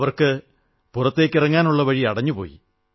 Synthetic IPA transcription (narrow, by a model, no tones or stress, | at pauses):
ʋɐrkɨ | purɐt̪ːe̞ːkːirɐŋːaːnuɭːɐʋɐɻiɐɽɐɲːupo̰ːjḭ